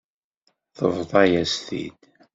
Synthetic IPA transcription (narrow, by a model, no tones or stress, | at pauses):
θə̰vðˤɑjæsθḭd̪